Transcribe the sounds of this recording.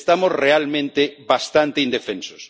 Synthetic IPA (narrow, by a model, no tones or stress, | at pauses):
st̪amosrealmẽnt̪eβast̪ant̪ɪind̪efenso̥s